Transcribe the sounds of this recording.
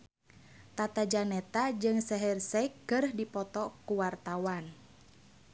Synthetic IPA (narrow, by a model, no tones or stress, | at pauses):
t̪at̪ad͡ʒanɛt̪ad͡ʒɨŋsɛɦɛrsɛkːɨrhdipɔt̪ɔkuwart̪awan